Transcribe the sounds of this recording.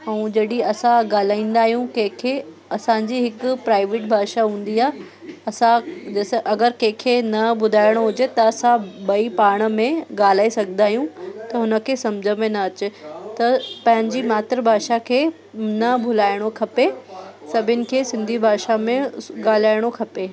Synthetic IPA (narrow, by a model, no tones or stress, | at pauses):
ɛ̃ːd͡ʑɐɗiɐsãɡaːl̤aːĩːnd̪aːɦijũkɐ̃ɦɪ̃kʰe | ɐsãɲd͡ʑiːɦɪkʊpɾaːɪʋeːʈbʱaːʃaɦũːn̆d̪iaːɦ | ɐsãd͡ʑɐːsʔɐɡəɾkɐ̃ɦɪ̃kʰenɐbʊd̪ʱaːɪɽ̃oɦʊd͡ʑet̪ɐɐsãbɐipaːɽ̃ə̆mẽɡaːl̤aːisɐɡʱənd̪aːɦijũt̪ɐɦʊnə̆kʰeːsɐmd͡ʑʱəmẽnɐɐt͡ɕɪt̪ɐpɐ̃ɦɪ̃ɲ̆d͡ʑimaːt̪ɪɾəbʱaːʃakʰeː | nɐbʱʊlaːɪɽ̃okʰɐpesɐbʱɪnɪ̆kʰeːsɪ̃nd̪ʱibʱaːʃamẽɡaːl̤aːɪɽ̃okʰɐpeː